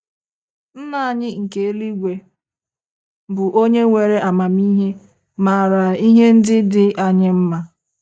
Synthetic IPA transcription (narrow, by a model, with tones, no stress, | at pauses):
n̩˦na˨a˨ɲɪ˦ŋ̩˨ke˨e˦li˦ɡʷe˨ | bʊ˨ʔo˦ɲe˦ŋʷe˨ɾe˦ʔa˨ma˨mi˦ɦe˦ | ma˨ɾa˨i˦ɦe˦n̩˦dɪ˦dɪ˨ʔa˨ɲɪ˦m̩˦ma˦